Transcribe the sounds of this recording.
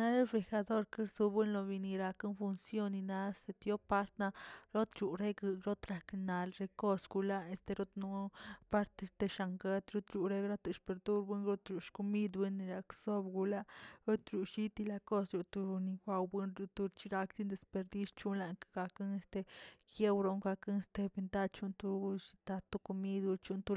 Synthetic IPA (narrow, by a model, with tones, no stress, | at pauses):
na˦ɾe˦be˧xa˧d̪o˦ɾke˦ɾsu˧bwe˦nlo˧bi˧ni˧ɾa˧ka˦nfu˧nsjo˦nːi˧na˧se˧t̪jo˦pa˦ɾt̪na˧ɾo˦t̪ɾu˨ɾe˦ɡɨ˧ɾo˦t̪ɾa˨kna˨lɾe˧ko˦sɡu˧la˦e˧st̪e˧ɾo˦t̪nu˧˦pa˦ɾt̪e˧st̪e˧ʃa˧ŋɡe˦t̪ɾo˦t̪ɾu˨ɾe˧ɡɾa˦t̪ɨ˧ʃpe˨ɾd̪u˦ɾbʷe˦nɾo˦t̪ɾu˨ʃku˧mi˦d̪be˦nːi˧ɾa˨kso˦bɡu˧la˦ɾo˦t̪ɾu˨ʃi˦t̪i˧la˧ko˦sɾu˨t̪u˧ɾni˧ɡʷa˧wbɨ˦nɾu˧t̪u˧t͡ʃi˧ɾa˧kt̪i˦nd̪e˧spe˧ɾd̪i˦st͡ʃu˦nla˧ŋkɡa˧kɨ˦ŋe˧st̪e˧ɡe˦wɾo˧ŋɡa˧kɨ˦ŋe˧st̪e˧bi˧nd̪a˦˧t͡ʃu˦nt̪u˧st̪a˧t̪u˧ku˧mi˦d̪u˧t͡ʃu˦nt̪u˧